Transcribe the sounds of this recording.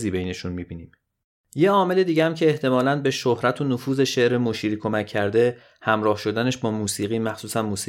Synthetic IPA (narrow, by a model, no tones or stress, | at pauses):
ziːbejne̞ʃunmibiːniːm | je̞ɒːme̞le̞d̪iːɟeæmcʰe̞ːht̪ʰe̞mɒːlænbe̞ʃohɾæt̪ʰonofuːze̞ʃe̞ʔɾemoʃiːɾiːkʰo̞mæcʰːæɾd̪e̞ | hæmɾɒːhʃo̞d̪æne̞ʃbɒːmuːsiːɣiːmæxsuːsænmuːsiː